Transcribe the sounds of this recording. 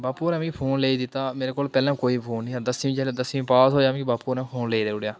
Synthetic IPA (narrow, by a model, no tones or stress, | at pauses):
baːpuːnɛ̃ːmĩːpʰoːnleːiːd̪ɪt̪ːaːmeːɾeːkoːlpɛːlãːkoːiːpʰoːnːĩːd̪əsĩːĩt͡ʃɛːled̪əsĩĩpaːsɦoːjaːʋĩbaːpuːnɛ̃ːpʰoːnleːid̪eːʊɽjaː